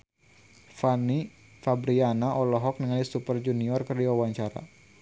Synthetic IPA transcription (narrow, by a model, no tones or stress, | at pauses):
fani | fabɾianaɔlɔɦɔk̚nəŋanisupərd͡ʒuniɔrkərdiwawaɲt͡ʃaɾa̰